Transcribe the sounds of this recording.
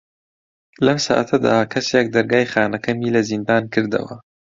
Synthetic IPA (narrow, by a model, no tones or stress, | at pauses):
lɐmsa̰ːʔɐt̪ʰɐd̪a̰ːkʰɐsjek̚d̪ɐɾɡaːjxaːnɐkʰɐmiːlɐzind̪aːnkʰɨɾd̪ɐ̰wɐ̰